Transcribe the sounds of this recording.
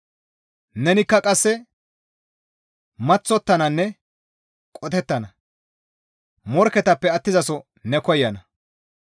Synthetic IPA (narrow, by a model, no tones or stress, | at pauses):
nɛnɪkːɐkʼɐsːɛ | mɐt͡sːɔt̪ːɐnɐnːɛ | kʼɔt̪ɛt̪ːɐnɐ | mɔɾkɛt̪ɐpːɛɐt̪ːɪzɐsɔ | nɛkɔjːɐnɐ